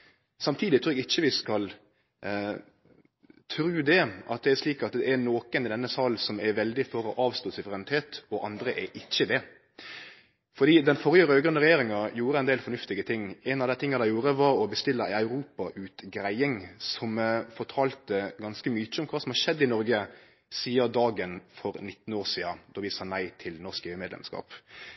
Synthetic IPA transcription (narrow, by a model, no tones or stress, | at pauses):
sɑmt̪ʰiːd̪ɪt̪ʰɾʉːɾɛɡɪçːəʋɪskɑl | t̪ʰɾʉːd̪ɛʔɑ̰t̪̚d̪ɛæɾʂliːkɑt̪̚d̪ɛːnoːkənɪd̪ɛnːəsɑlsɔmɛɾʋɛld̪ɪfɔɾɔʔɑːʋst̪oːsʉʋəɾɛnɪt̪ʰeːt̪ɔʔɑnd̪ɾəʔɛʔɪçːəd̪ɛ | fɔɾd̪iːd̪ɛnfɔɾjəɾøːɡɾœnəɾɛjeːɾɪŋɑjuːɾəɛɪnd̪eːlfɔnʉft̪ɪɡət̪ʰɪŋːɛnɑʋd̪æɪt̪ɪŋːɑd̪æɪjuːɾəʋɑɾɔbəst̪ɪlːəɪɑʉɾuːpɑʔʉːt̪ɡɾæɪɪŋsɔmfɔʈ̪ʰɑːlt̪əɡɑnskəmyːt͡ʃəɔmkʰʋɑːsɔmhɑɾʃɛd̪ːɪnɔɾɡə | siːəɾd̪ɑːɡənfɔɾnɪt̪ːn̩oːʂiːɑd̪ɔʋɪsɑːnæɪt̪ʰɪlnɔskeːʉmɛːd̪lɛ̰mskɑ̰ːp